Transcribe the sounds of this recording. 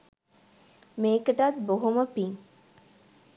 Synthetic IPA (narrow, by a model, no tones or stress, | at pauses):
meːkəʈɐt̪̚boɦuməpiŋ